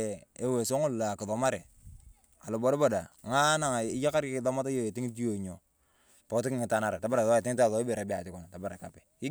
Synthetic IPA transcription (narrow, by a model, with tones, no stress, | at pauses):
e˨we˨so˦ŋu˦lla˨ki˨ðo˨ma˦ɾe˨ | a˨lo˨bo˨ɾi˦bo˨da˨ŋa˦na˨ŋ˨i˦ja˦ka˦ɾkkðo˦ma˦ta˦jo˦je˨ti˦ŋ˦t̬i˦jo˨ɲo˨ | po˨kti˦ki˦ŋi˨ta˦na˦ɾe˨ta˨˦ba˦ɾa˨ðo˦˨ti˦ŋ˦ta˦˨ðo˨˦i˦be˨ɾa˨bi˦a˨ti˦ku˨na˨ta˨ba˦ɾa˨ka˨pe̥˨i˦